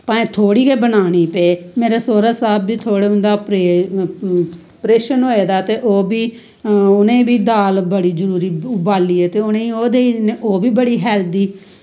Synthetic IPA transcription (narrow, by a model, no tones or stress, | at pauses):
pãːẽːt̪ʰoːɽiːkeːbənaːɽ̃iːpeːmeːɾeːsoːɾaːsaːbːiːt̪ʰoːɽeːʊ̃nd̪aːpɾe | pɾeːʃənɦoːeːd̪aːt̪eːʔoːbiː | ʊnẽːbiːd̪aːlbəɽiːzəɾuːɾiːʊbaːliːɛːt̪eːʊnẽːioːd̪eːineʔoːbiːbəɽiːɦɛːld̪iː